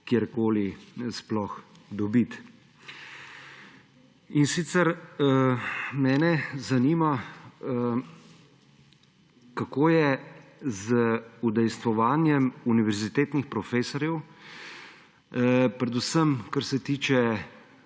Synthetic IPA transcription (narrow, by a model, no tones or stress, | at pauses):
kjeɾkoːlisplɔx | d̪ɔbit̪ | insit̪sɛɾ | mɛːnɛzaniːma | kakoːjɛzəud̪ɛjst̪ʋɔʋaːnjɛmuniʋɛɾzit̪eːt̪nixpɾɔfeːsɔɾjɛw | pɾɛd̪usəmkaɾsɛt̪iːt͡ʃɛ